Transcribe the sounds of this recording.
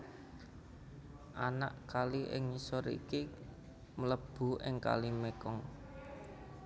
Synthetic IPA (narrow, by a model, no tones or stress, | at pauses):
ʔanaʔkaliʔɪ̰ŋɲisɔɾḭki | mələb̥ṳʔɪŋka̰limekɔŋ